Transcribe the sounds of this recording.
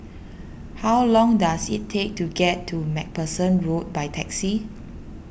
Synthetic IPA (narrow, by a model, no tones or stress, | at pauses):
hawlɔ̃ŋdasḭtʰːek̚tuɡɛtʰːumɛk̚pəsə̃nɹot̚bajtʰɛksi